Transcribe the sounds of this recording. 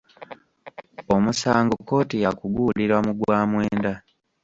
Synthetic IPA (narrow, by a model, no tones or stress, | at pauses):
omusaːŋɡokːo̞ːtijakuɡuːliɾwamuɡwaːmweːnda